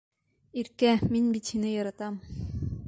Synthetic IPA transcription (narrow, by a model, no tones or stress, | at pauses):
iɾkæminbit̪hinɘjɑɾɑt̪ɑm